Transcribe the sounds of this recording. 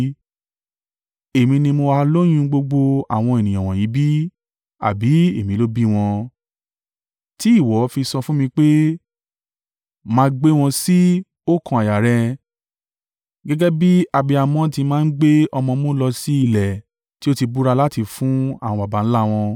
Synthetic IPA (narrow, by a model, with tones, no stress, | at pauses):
e˨mĩ˧nĩ˧mo˧a˧lo˦j̃ũ˧˦ɡ͡bo˧ɡ͡bo˧a̰˨w̃ɔ̃˧e˨nĩ˨j̃ã˨w̃ɔ̃˨jĩ˨˦bi˦ | a̰˨bi˨˦e˦˨mĩ˨˦lo˦bi˦w̃ɔ̃˧ | ti˨˦i˦˨wɔ˨˦fi˧sɔ˧fũ˦mĩ˧k͡pe˦ | mãː˧˦ɡ͡be˦w̃ɔ̃˧si˦ | o˦kɔ̃˧˦a˨ja˨ɾɛ˧ | ɡɛ˦ɡɛ˦bi˦a˨bi˧a˨mɔ̃˦tĩ˧mãː˦ɡ͡be˦ɔ˧mɔ̃˧˦mõ˦lɔ˧si˦i˧˨lɛ˨ | ti˦o˦ti˧bu˦ɾa˧la˦ti˧fũ˦a̰˦˨w̃ɔ̃˧ba˨ba˨˦n̩˦la˦˨w̃ɔ̃˧